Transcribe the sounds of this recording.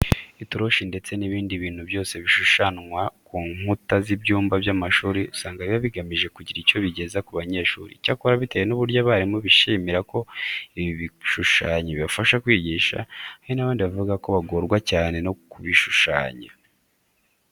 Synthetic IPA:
ituɾo̞ʃinde̞t͡se̞niβiːndiβiːn̥hubjo̞ːse̞βiʃuʃanwakuːŋutazibɟuːmbabjamaʃuːɾiusaːŋɡaiβiβaβiɡamiʒe̞kuɟiɾico̞βiɟe̞zakuβaɲe̞ːʃuːɾḭcakuɾaβite̞jenuβuɾjaβaɾimoβiʃimiɾako̞iβiβiʃuʃaːɲeβiβafaʃakwiːɟiːʃa̰ahinaβaːndiβavuɡako̞βaɡoɾɡwacaːne̞nokuβiʃuʃa̰ːɲa

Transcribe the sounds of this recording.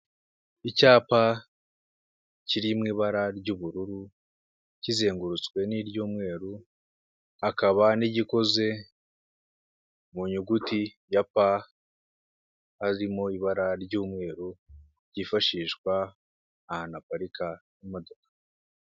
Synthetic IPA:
icaːpa | ciɾimŋiːβaɾaɾɟuːβuɾuɾu | cize̞ːŋɡuɾut͡skwe̞niɾɟuːmŋe̞ːɾu | akaβaniɟiko̞ze̞ | muɲuɡuti | japa | haɾimo̞iβaɾaɾɟuːmŋe̞ːɾu | ɟifaʃiːʃkwaː | hanapaɾikʰajimo̞do̞kḁ

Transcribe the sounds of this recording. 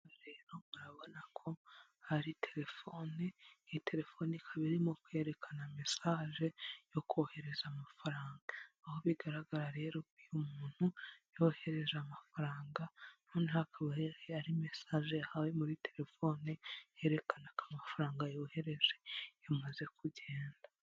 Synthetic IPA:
ɾe̞ːɾomuɾaβo̞nakʰo̞ | haɾitʰe̞ɾe̞fo̞ːnetʰe̞ɾe̞fo̞nikʰaβiɾimo̞kwe̞ɾe̞kʰaname̞saːʒe̞jo̞kuohe̞ɾe̞zamafaɾaːŋɡaaho̞βiɡaɾaɡaɾaɾe̞ɾo̞kujumuːn̥hujo̞he̞ɾe̞ʒamafaɾaːŋɡanoːnehakʰaβaaɾime̞saːʒeahawe̞muɾite̞ɾe̞fo̞ːneje̞ɾe̞kanakamafaɾaːŋɡajo̞ːhe̞ɾe̞ʒe̞jamaze̞kʰuɟe̞ːnda

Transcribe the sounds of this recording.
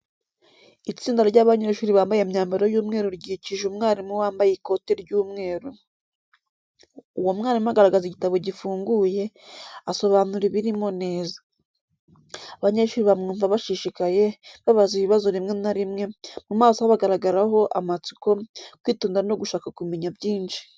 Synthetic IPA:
it͡siːndaɾoɾɟaβaɲe̞ʃuːɾiβaːmbajemɲaːmbaɾojuːmŋe̞ːɾuɾɟiciʒumŋaːɾimŋewaːmbajeko̞te̞ɾɟuːmŋe̞ːɾu | uwomŋaːɾimuaɡaɾaɡaziɟitaβo̞ɟifuːŋɡuje̞ | aso̞βaːnuɾiβiɾimo̞ne̞ːzḁ | aβaɲeʃuːɾiβamŋuːɱvaβaʃiʃikaje̞βaβaziβiβazo̞ɾimŋe̞naɾimŋe̞mumaːsohaβaɡaɾaɡaɾaɦo̞ʔa̰mat͡si̥ko̞kwiːtuːndiɾano̞ɡuʃaːkakumeɲabjiːnʃi̥

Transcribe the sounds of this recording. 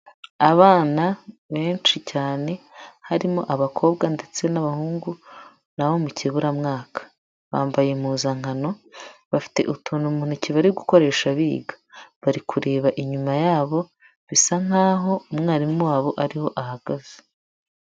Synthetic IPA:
aβaːnaβe̞ːnt͡ʃicaːne̞haɾimo̰ʔaβakʰo̞ːbɡande̞t͡se̞naβahuːŋɡu | naβo̞muciβuɾamŋaːkḁ | βa̰ːmbaje̞muzaŋano̞βafi̥te̞̰ʔutʰuːnumuːn̥huciβaɾiɡuko̞ɾe̞ːʃaβiːɡḁβaɾikʰuɾe̞ːβaʔiɲumajaːβo̞ | βisaŋ̥aːɦo̞umŋaːɾimmuwaβo̞ʔaɾiho̞ʔahaɡ̥aze

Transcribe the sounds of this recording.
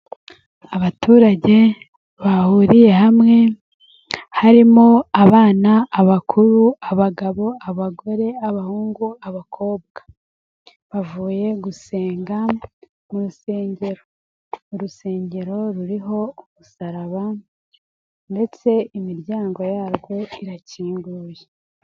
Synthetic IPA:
aβatuːɾaɟe̞ | βahuɾije̞ɦamŋe̞ | haɾimoaβaːnaːβakʰuɾuaβaɡaβo̞aβaɡo̞ɾe̞aβahuːŋɡuaβakʰo̞ːb̚ɡ̥ḁ | βavuːje̞ɡuse̞ːŋɡa | uɾuse̞ːɲɟe̞ɾo | uɾuse̞ːɲɟe̞ɾo̞ɾuɾiɦo̞umusaɾaβa | nde̞t͡se̞imiɾjaːŋɡo̞jaːɾɡwo̞iɾaciːŋɡuːje

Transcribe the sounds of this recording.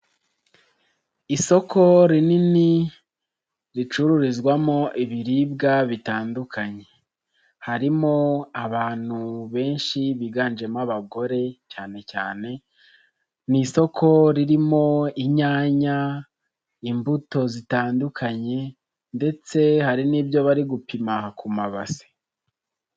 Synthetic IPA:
iso̞kʰo̞ɾinini | ɾit͡ʃuɾuɾizɡwamo̞ʔiβiɾib̚ɡaβitaːndukʰaɲe̞ | haɾimo̞aβaːn̥huβe̞ːnʃiβiːɡaːnd͡ʒe̞maβaɡo̞ɾe̞caːne̞caːne̞ | niso̞kʰo̞ɾiɾimo̞iɲaːɲa | imbuto̞zitaːndukʰaɲe̞ | nde̞t͡se̞haɾiniːbjo̞βaɾiɡupimahakʰumaβa̰se̥

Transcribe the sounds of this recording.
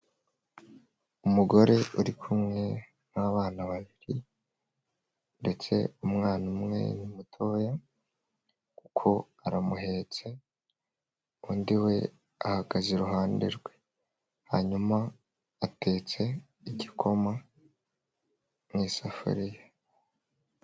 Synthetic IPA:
umuɡo̞ɾe̞uɾikʰumŋe̞ | naβaːnaβaβiɾi | nde̞t͡se̞̰umŋaːnumŋe̞̰nimutʰo̞ːja | kukʰo̞ | aɾamuɦe̞ːt͡se̞ | uːndiwe̞ | ahaɡazeɾuɦaːndiɾɡwe̞ | ha̰ɲumaː | te̞ːt͡se̞ | iɟikʰo̞ma | nŋiːsafṵɾija

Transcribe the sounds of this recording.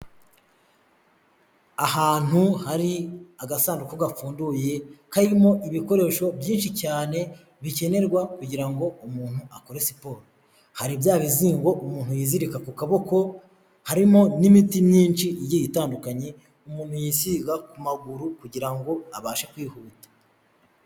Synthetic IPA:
aɦaːn̥huhaɾiaɡasaːndukoɡafuːnduje̞kaɾimo̞ʔiβiko̞ɾe̞ʃo̞bjiːnʃicaːne̞ | βice̞ne̞ɾɡwakuɟiɾaŋɡo̞umuːn̥huako̞ɾesipo̞ːɾi | haɾibjaːβiziːŋɡo̞ʔumuːn̥hujiːziɾikakukaβo̞ko̞ | haɾimo̞nimitimɲiːnʃiijijitaːndukaɲe̞ | umuːn̥hujiːsiɡakumaɡuɾukuɟiɾaŋɡo̞aβaːʃekwiːhuːtḁ

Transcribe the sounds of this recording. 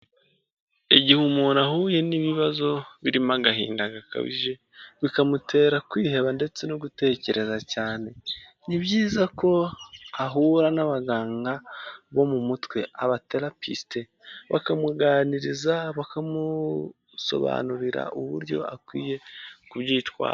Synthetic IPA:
eɟihumunahuːje̞niβiβazo̞βiɾimaɡaɦḭːndaɡaka̰βḭʒe̞ | βikamutʰe̞ːɾakwiːhe̞βande̞t͡se̞noɡute̞ːce̞ɾʔe̞zacaːne̞ | niβɟiːzako̞aɦuːɾanaβaɡaːŋɡaβo̞mumutwe̞aβateɾapiste | βa̰kamuɡaːniɾizaβakamu | so̞̰βa̰ːnuɾiɾa̰ʔuβṵɾɟo̞̰a̰kwiːje̞kuβɟiːtwa̰ːɾa

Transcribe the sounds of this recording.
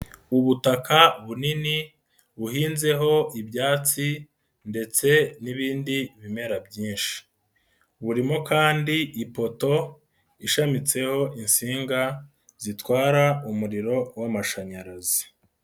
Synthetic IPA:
uβutakaβunini | βuhiːnze̞ɦo̞ibɟaːt͡si | nde̞t͡se̞niβiːndiβime̞ɾabɟiːnʃi̥ | βuɾimokaːndiipo̞to̞ | iʃamit͡se̞ho̞insiːŋɡa | zitwaːɾaumuɾiɾo̞wamaʃaɲaɾazi̥

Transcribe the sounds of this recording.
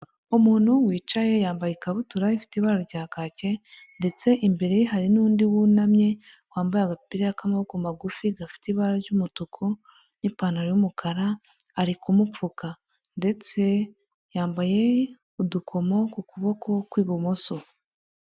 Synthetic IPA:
umuːn̥huwiːt͡ʃaje̞jaːmbajikaβutuɾaifi̥tiβaɾaɾɟaːkaːce̞ | nde̞t͡se̞ʔimbe̞ɾe̞jiɦaɾinuːndiwunamɲe̞ | waːmbajaɡapiɾijakamaβokumaɡufiɡafi̥tiβaɾaɾɟumutukʰo | nipaːnaɾojumukʰaɾaː | ɾikumup͡fuka | nde̞t͡se̞ | jaːmbaje̞ | udukʰo̞mo̞kukuβo̞ko̞kwiːβumoso

